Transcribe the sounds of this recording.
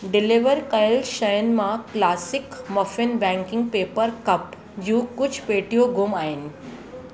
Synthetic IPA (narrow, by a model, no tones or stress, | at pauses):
ɖɪliʋəɾkɐjlʃɐjənmãklaːsɪkmɐfɪnbɛ̃ŋkɪ̃ŋɡ̚peːpəɾkɐp | jũːkʊd͡ʒʰʱpeːʈijoɡumaːɪnɪ̆